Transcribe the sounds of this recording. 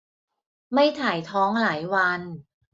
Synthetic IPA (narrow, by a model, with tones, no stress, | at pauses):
ma˥˩jt̪ʰaː˨˩jt̪ʰɔː˦˥ŋlaː˩˦jwa˧n